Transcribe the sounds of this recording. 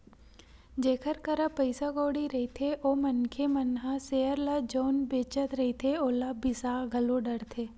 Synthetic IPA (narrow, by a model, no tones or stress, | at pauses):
d͡ʒeːkʰəɾkəɾapəɪsaɡoːɽiɾɐɦit̪ʰeʔoːmənkʰemənɦãseːəɾlad͡ʒoːnbeːt͡ʃət̪ɾɐɦit̪ʰeoːlabɪsaːɡʱɐloɖəɾt̪ʰeː